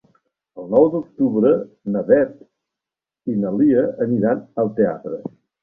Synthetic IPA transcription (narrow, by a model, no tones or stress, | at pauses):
əlˠnɔwd̪uk̚t̪uβɾə | nəβɛt̪ | inəliəəniɾanəlˠt̪ea̰t̪ɾə